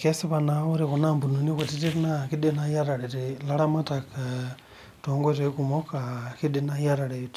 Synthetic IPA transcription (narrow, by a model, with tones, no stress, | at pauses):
kesi˦βa˨na˨uɾikunambu˨nu˨ni˦kuti˦ti˦ɾnaki˦di˦na˦jaɾa˨ɾe˨tila˦ɾa˦ma˦takʰa | to˨ŋɡotekumokaki˦di˦na˦jaɾa˨ɾe˨iti̥